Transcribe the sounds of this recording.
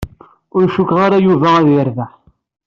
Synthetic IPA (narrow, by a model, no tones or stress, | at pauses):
ʊɾʃukʁaɾajuvææðjəɾvaħ